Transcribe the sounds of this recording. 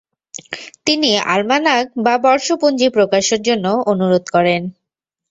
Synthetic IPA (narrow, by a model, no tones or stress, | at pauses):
t̪inia̰lmanaɡ̚babɔɾʃopund͡ʑipɾokaʃeɾd͡ʑonːoonuɾod̪kɔɾen